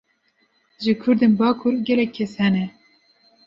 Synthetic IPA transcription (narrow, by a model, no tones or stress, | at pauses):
ʒɨkʰʊɾd̪enbɑːkʰuɾɡɛlɛkʰːɛshɛnɛ